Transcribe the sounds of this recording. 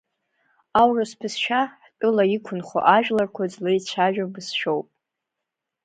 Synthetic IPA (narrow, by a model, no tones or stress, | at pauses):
awraspʰɨsʃᶣaħkʼɨlaikʷʰʊnχo̰ʔaʒᶣlarkʷʰad͡zlejt͡ʃʰaʒᶣabɨsʃᶣowpʼ